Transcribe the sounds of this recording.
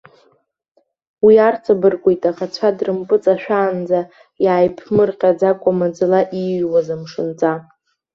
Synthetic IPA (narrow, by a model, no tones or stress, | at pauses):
wiart͡sʰʼabɨrkʷʼojtʼaχat͡sʷʰadrɨmpʼɨt͡sʼaʃᶣaːnd͡za | jaːjpʰmɨrqʲʼad͡zakʷʼamad͡zɨlaʔiʒwazɨmʂɨnt͡sʼa